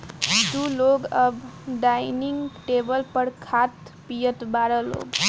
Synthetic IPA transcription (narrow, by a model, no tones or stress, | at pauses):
d̪uloɡəbɖajniŋɡʈebəlpəɽkʰat̪pijət̪baɾəlo̰ɡ